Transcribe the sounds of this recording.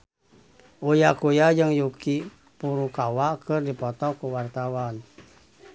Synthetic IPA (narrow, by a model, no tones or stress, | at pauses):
ʔujakujad͡ʒɨŋjuki | puɾukawakɨrdipɔt̪ɔkuwart̪awan